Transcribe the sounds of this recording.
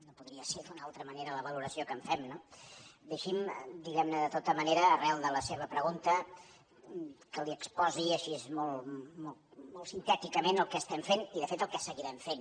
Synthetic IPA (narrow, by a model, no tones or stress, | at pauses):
nopuðɾiəseðunalˠt̪ɾəməneɾələβ̞əluɾəsiokəɱfɛmnod̪əʃimd̪iɣɛmnəðət̪ot̪əməneɾəːrɛlˠd̪ələseβəpɾəɣunt̪ə | kəliəkspɔziəʃiezmolˠmomolˠsint̪ɛt̪ikəmenəlˠkəst̪ɛmfeniðəfet̪əlˠkəsəɣiɾɛɱfen